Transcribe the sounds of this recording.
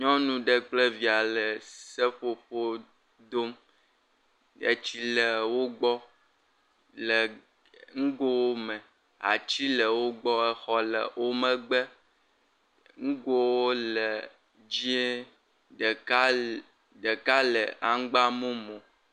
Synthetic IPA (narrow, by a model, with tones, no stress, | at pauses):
ɲɔ̃˦nũ˨ɖə˨k͡ple˦vi˨a˨lə˨sə˦ɸo˨ɸo˦ | d̪o˦m | ḛ˨t͡ɕi˦lə˨wo˦ɡ͡bɔ˦ | lə˨ | ŋ̩˦ɡo˦wo˦mɛ̃˨ | a̰˨t͡ɕi˦lə˨wo˦ɡ͡bɔ˦ɛ˨xɔ˦lə̰˨wo˦mə̃˦ɡ͡bə˦ | ŋ̩˦ɡo˦wo˦lə˨ | d͡ʑi˦e˦˨ | a˦ | ɖə˨ka˦lə̰˨ʔa˦ŋ˦ɡ͡ba˦mõ˦mõ˨